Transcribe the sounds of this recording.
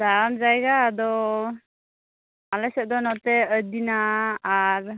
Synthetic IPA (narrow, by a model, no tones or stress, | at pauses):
d̪aɾamd͡ʒajɡaːd̪ɔ | alɛsɛʔ̚d̪ɔnɔt̪ɛəd̪inaː | ɾ